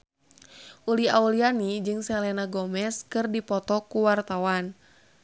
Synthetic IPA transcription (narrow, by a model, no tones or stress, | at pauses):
ʔuliaulianid͡ʒɨŋsɛlɛnaɡɔmɛskɨrdipɔt̪ɔkuwart̪awan